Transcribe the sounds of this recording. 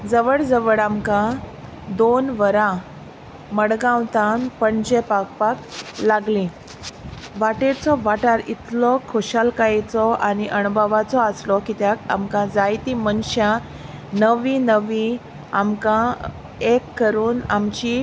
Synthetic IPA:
d͡zəʋəɽd͡zəʋəɽamkã | d̪onʋəɾã | məɽɡãwt̪ãnpəɳd͡ʑepakpaklaɡlĩ | ʋaʈet͡sɔʋaʈaɾit̪lɔkʰoɕalkaet͡sɔañiʔəɳbaʋat͡sɔəslɔkit̪jaka̰mkãd͡zajt̪imənɕjã | nəʋinəʋĩ | a̰mkã | ekːəɾuːnamt͡ɕi

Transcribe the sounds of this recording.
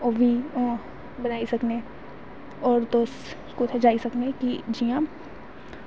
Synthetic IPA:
oʋʱi | bɐnaːisɐkne | ɔːɾd̪oːs | kʊt̪ʰed͡ʒaːisɐknekid͡ʒijã

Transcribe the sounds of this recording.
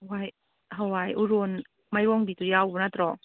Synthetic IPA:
waj | ɦawajʔuɾun | majɔŋdit̪ujawbunat̪ɾɔ

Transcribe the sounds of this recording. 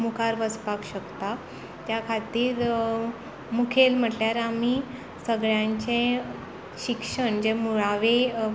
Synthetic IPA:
mukʰaɾʋəspakɕəkt̪a | t̪jakʰat̪iːɾ | mukʰelm̤əʈljaɾami | səɡɭjãɲt͡ɕẽ | ɕikʂəɳd͡ʑemuɭaʋe

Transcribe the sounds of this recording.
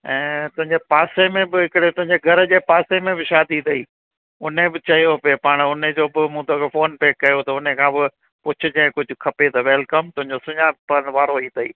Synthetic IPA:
ɛ̃ːt̪ʊ̃ɦɪ̃ɲd͡ʑepaːsemẽbɪɦɪkɪɽet̪ʊɦɪ̃ɲd͡ʑeɡʱɐɾəd͡ʑeːpaːsemẽbɪʃaːd̪it̪ʰɐiː | ʊn̤ebɪt͡ɕɐɦijopeːpaːɽ̃ʊned͡ʑoːbɪmũːt̪okefoːnpeːkːɐjot̪ʰɐʊnekʰãːbɪ | pʊt͡ɕʰʊd͡ʑɐ̃ɪ̃kʊd͡ʑʱʊ̆kʰɐpet̪ʰɐʋeːlkɐmt̪ʊ̃ɦɪ̃ɲd͡ʑosʊɲaːpɐnʋaːɾoiːt̪ʰɐḭː

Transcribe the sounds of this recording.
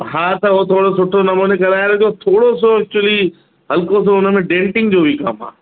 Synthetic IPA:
ɦãːt̪ɐʋot̪ʰoːɽosʊʈʰːonɐmũːnekɐɾaːeɾod͡ʒot̪ʰoːɽos̬oɛk̚t͡ʃʊəli | ɦɐlkõs̬oʊnmẽɖẽːɳʈɪ̃ŋɡd͡ʑoːbʱika̰ːmã̰ː

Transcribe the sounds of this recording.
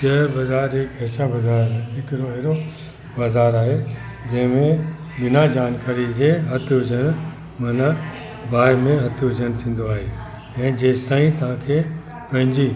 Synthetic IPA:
ʃeːɾbɐzaːɾɦekɦɛːsabɐzaːɾɦɪkɾoɦeːɾo | baːzaːɾaːɦe | d͡ʑɐ̃ɦɪ̃mẽ | bɪnad͡ʑaːnkaːɾid͡ʑeːɦɐt̪ʰɦʊd͡ʑʱən | mɐna | baːɪmẽɦɐt̪ʰɦʊd͡ʑʱənt̪ʰĩːn̆d̪oaːɦe | ɛ̃ːd͡ʑeːst̪aːĩt̪ɐʋ̤ãkʰe | pɐ̃ɦɪ̃ɲd͡ʑiː

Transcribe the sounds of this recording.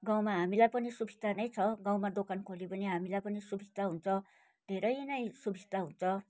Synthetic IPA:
ɡaw̃maɦamilajpʌnisubʱid̪ʱanʌjt͡sʰʌɡãw̃mad̪okankʰolipʌniɦamilajpʌnisubʱisd̪aɦunt͡sʰʌ | d̪̥ʱeɾʌjnʌjsubʱist̪aɦunt͡sʰʌ

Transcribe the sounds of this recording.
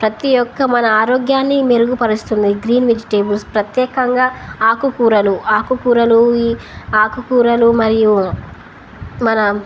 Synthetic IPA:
pɾɐt̪ijɔkːɐmɐnɐaːɾoːɡjaːnːimeɾuɡupɐɾust̪und̪iɡɾiːnʋed͡ʒiʈe̞ːbulspɾɐt̪jɛːkɐŋɡaːaːkukuːɾɐluaːkukuːɾɐlu | aːkukuːɾɐlumɐɾiju | mɐnɐ

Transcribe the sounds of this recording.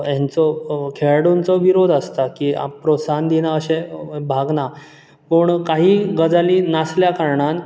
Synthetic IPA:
jɛ̃nt͡sɔkʰeɭɽont͡sɔʋiɾod̪ʱast̪akia̰pɾosand̪inaəɕẽbʱaɡna | pəɳkaɦiːɡəd͡zaliːnasljakaɾɳan

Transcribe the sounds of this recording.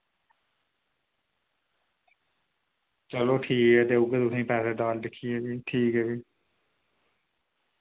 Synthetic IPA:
t͡ʃəloːʈʰiːkɛːt̪eːʊɡət̪ʊt̪ʰĩːpɛːsɛːɖaːlɖɪkʰːiːɛːbiːʈʰiːkɦɛːʋiː

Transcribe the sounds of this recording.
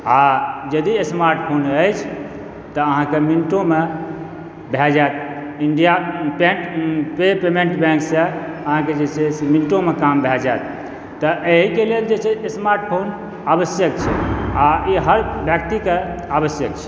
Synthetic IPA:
ad͡ʒəd̪iesmaɾʈpʰonəjt͡ʃʰ | t̪əəɦãkeminiʈõme | bʱɛd͡ʒaet̪ | iɳɖijapeʈpepemẽɳʈbɛ̃ŋksə̃əɦãked͡ʒet͡ʃʰeminiʈõmekambʱɛd͡ʒaet̪̚ː | əʔeɦikeleld͡ʒet͡ʃʰesmaɾʈpʰon | abəsjək̚t͡ʃʰɛ̰aiɦəɾbʱjək̚t̪ikeabəsjəkt͡ʃʰɛ̥

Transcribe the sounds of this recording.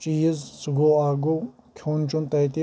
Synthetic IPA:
t͡ʃiːzsɡoaːɡo | kʲʰoːnt͡ʃʰunt̪ɐjt̪i

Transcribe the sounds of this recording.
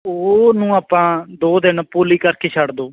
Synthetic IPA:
oːnũːaːpãːd̪oːd̪ɪnpuːliːkəɾkeːt͡ʃʰəɽd̪oː

